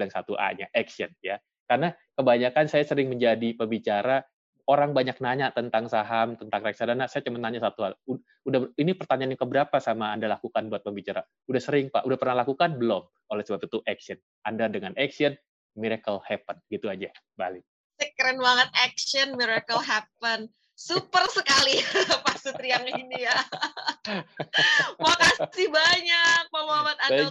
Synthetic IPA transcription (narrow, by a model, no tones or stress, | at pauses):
ləŋsat̪uʔa̰ɲaʔɛksiənja | karnakəbaɲakansajasəɾɪŋməɲd͡ʒadipəmbit͡ʃaɾa | oɾaŋbaɲak̚naɲat̪ənt̪aŋsaɦamt̪ənt̪aŋɾak̚sadanasajat͡ʃəmənaɲasat̪uhalu | udainipərt̪aɲanɲakəbəɾapasamaːndalakukanbuat̪̚pəmbit͡ʃaɾa | udahsəɾɪŋpa̰ʔudahpərnahlakukanbəlɔm | olɛhsəbap̚it̪uʔɛksiən | andadəŋanʔɛksiən | miɾakəlhɛpənɡit̪uad͡ʒabalɪk̚ | səkɾɛnwaŋət̪̚ɛkʃənmiɾakəlɦɛp̚ən | supərsəkalipasut̪ɾiaŋinija | wakasibaɲak̚məmoamat̪a